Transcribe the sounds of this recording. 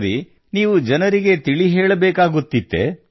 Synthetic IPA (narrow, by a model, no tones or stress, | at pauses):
ɾi | niːʋud͡ʒɐnɐɾiɡe̞t̪iɭiɦeːɭɐbeːkaːɡut̪ːid̪ːḛ